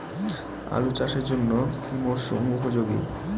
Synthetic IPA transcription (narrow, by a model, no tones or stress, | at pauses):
a̰lut͡ɕaʃeɾd͡ʑonːokimoɾʃo̰mukʰod͡ʑoɡḭ